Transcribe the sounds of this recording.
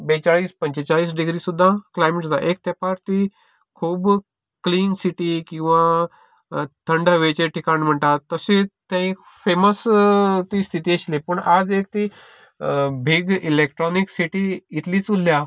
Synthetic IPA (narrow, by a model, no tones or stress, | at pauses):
bet͡ɕaɭiːspəɲt͡ɕet͡saɭiːsɖiɡɾiːsud̪ʱːãklajmeʈt̪aʔek̚t̪apaɾt̪i | kʰuːb | kliːŋsiʈiːkĩw̃ʋa | t̪ʰəɳɖəʋet͡ɕeʈʰikaɳm̤əɳt̪at̪ːəset̪ẽik | feməst̪ist̪ʰit̪iəɕlepəɳad͡zek̚t̪i | bʱiɡilek̚ʈɾɔniksiʈiːt̪liːt͡sulːja